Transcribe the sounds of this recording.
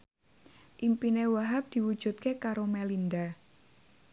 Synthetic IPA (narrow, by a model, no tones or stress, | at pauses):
ʔimpinewaɦap̚d̪̥i̤wu̥ʒ̥ṳt̪̚kekaɾomelind̪a